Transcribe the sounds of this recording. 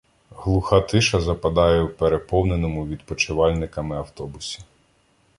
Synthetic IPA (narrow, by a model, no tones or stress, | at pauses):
ɦlˠʊxɑt̪ɪʃɐzɐpɐd̪ɑjɛwpeɾepɔwnenɔmʊʋʲid̪pɔt͡ʃɪʋɑlʲnɪkɐmɪɐwt̪ɔbʊsʲi̥